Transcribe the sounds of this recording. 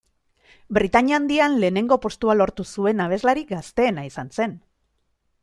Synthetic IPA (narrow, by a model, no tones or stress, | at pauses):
bɾit̪aɲiand̪ianle̞ːne̞ŋɡo̞po̞st̪ualo̞ɾt̪usue̞naβ̞e̞zlaɾik̚ɡast̪e̞ːnaisanse̞n